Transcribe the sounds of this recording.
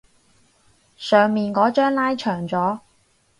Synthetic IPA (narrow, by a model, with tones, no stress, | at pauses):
sœː˨˧ŋmiː˨nkɔː˨˥t͡ʃœː˥ŋlaː˥jt͡ʃʰœː˨˩ŋt͡sɔː˨˥